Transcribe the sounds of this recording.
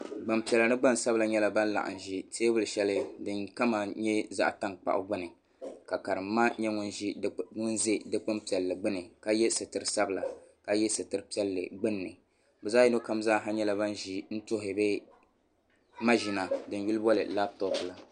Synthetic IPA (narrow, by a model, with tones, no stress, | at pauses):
ɡ͡ba˨mpi˨ɛ˨la˨nɨ˦ɡ͡ba˦n˨sa˦bla˨ɲɛ˦la˨ba˦n˦la̰˨ʔa̰˨n˨ʒi˦teː˦bʊ˦lɨ˨ʃɛ˦lɨ˦dɨ˦nka˦ma˨ɲɛ˦za̰˦ʔta˦ŋk͡pa̰˨ʔʊ̰˦ɡ͡bʊ˦nɨ˨ | ka˨ka˨ɾɨ˨mː˦a˦ɲɛ˦ŋʊ˦nʒi˦ŋʊ˦nze˦dɨ˦k͡pʊ˦mpi˨ɛ˨lːɨ˨ɡ͡bɨ˦nɨ˨ka˨˦jɛ˦sɨ˨tɨ˨ɾɨ˨sa˦bla˨ka˨jɛ˦sɨ˨tɨ˨ɾɨ˨pi˦ɛ˦lːɨ̰˨ɡ͡bɨ˦nːɨ˨ | bɛ˨zaː˦ji˦no˦ka˦mzaː˦˨ɦa˦ɲɛ˦la˨ba˦n˦ʒi˦n̩˦to˦ɦɪ˨bɛ˦ | ma˦ʒi˨na˨dɨ˨n˦˨ju˦lɨ˦bɔ˦lɨ̰˨la˦b̚tɔ˦pla˨